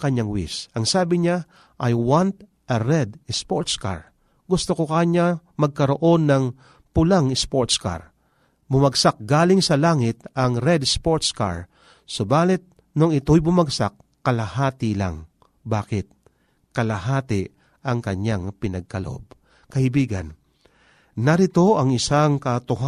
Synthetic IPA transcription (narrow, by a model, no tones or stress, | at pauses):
kɐɲaŋwḭsɐŋsaːbɪɲa | ʔajwant̪̚ | ʔɐɾɛd̪ɪspoɹt̪ska̰ɹ | ɡʊst̪okokaɲamɐɡ̚kɐɾoʔo̞nːɐŋ | pʊlaŋɪspoɹt̪ska̰ɹ | bʊmɐɡsak̚ɡaːlɪŋsɐlaːŋɪt̪ɐŋɾɛd̪spoɹt̪ska̰ɹ | sobaːlɪt̪̚ | noŋɪt̪ojbʊmaɡsa̰kːɐlahaːt̪ɪla̰ŋ | baːkɪt̪̚ | kɐlɐɦaːt̪ɪ | ɐŋkɐɲaŋpɪnɐɡ̚kɐlo̰ʔo̰b̚ | kɐʔɪbiːɡɐ̰nː | ɐɾɪt̪o̞ɐŋɪsaŋkɐt̪ʊɦa